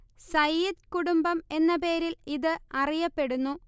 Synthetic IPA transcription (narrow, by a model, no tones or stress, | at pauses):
sɐjid̪kuɽumbɐme̞nːɐpe̞ːɾiliðɨɐrijɐpːe̞ɽunːu